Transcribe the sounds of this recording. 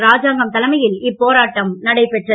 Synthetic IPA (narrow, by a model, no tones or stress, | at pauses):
ɾaːd͡ʒaːŋɡɐmt̪ɐlɐmɐjɪlɪpːoːɾaːʈːɐmnɐɽɐɪpɛʈrɐ